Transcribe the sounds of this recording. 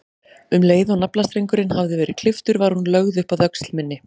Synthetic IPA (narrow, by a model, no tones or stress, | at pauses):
ʏmleːjðaɣnaplast̪ɾejŋkʏɾɪnhavðɪvɛːɾɪð̥kʰl̥ɪft̪ʏɾvaɾ̥hunlœɣðʏhpaðœkst̪lmɪnːɪ